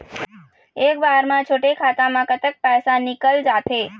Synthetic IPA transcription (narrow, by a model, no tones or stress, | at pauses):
ekbaɾmãt͡ʃʰoʈekʰat̪amãkət̪ək̚pɛsanikəld͡ʒat̪ʰe